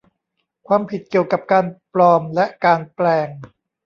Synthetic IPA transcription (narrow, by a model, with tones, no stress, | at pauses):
kʰwaː˧mpʰi˨˩t̪̚ki˨˩əwka˨˩p̚kaː˧nplɔː˧mlɛ˦˥ʔkaː˧nplɛː˧ŋ